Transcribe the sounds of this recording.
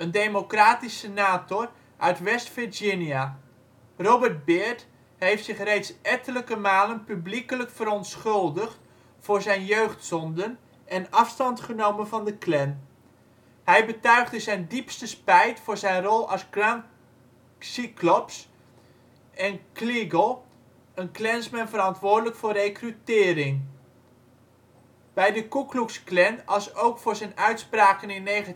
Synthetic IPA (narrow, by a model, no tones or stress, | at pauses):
əndemokraːtisənaːtɔr | ʔœɥtʋɛstfɪd͡ʒɪnja | robərd̚bɪɹt | ɦejftsɪχrejtsɛtələkəmaːlənpyblikələkfəɾɔntsχɵlˠdəχt | fʊːɹzɛjnjøɥχtsɔndən | ʔɛnɑfstɑntχənowmənvɑndəklɛn | ɦɛjbətœɥχdəzɛjndipstəspɛjtfʊːɹzɛjnrɔlˠɑsɡrɑŋ | siklɔps | ʔɛnkliɡəlˠ | ənklɛnsmɛnvəɾɑntʋʊːɹrdələkfʊːrejkrytɪːɾɪŋ | b̥ɛjdəkukluksklɛnʔɑsowkfʊːɹzɛjnœɥtspraːkənɪnːejχa